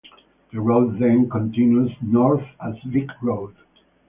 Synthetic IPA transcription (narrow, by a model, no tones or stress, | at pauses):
ðəɹoʊdðɛ̃nkɔ̃ntɪ̃njuznɔɹθəzlɪkɹoʊd̥